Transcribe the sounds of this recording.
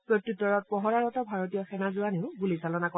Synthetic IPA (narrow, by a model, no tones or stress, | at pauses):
pɹotːutːɔɹɔt̚pɔɦɔɹaɹɔtɔbʱaɹot̬ijɔxɛnazuaneʊɡulisalɔnakɔ